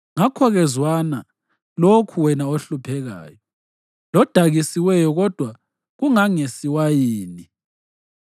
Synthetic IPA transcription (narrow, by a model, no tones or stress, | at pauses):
ŋakʰɔɣɛzwana | lokʰuwɛnaoɬupʰɛɣa̰ːjɔ | lɔd̥ʱaɣisiwɛjɔɣɔd̥ʱwa | ɣuŋaŋesiwajiːni